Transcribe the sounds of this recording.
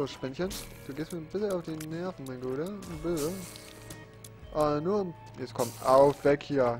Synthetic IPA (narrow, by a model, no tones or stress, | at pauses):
osʃpɛnçənd̥uːɡeːstmiːnbɪsl̩aʊfd̥eːnːɛɐfn̩maɪɡuːɾənbøːzə | ʔaːnuːɐm | jɛt͡skʰɔmtʔaʊfv̥ɛkhiːɐ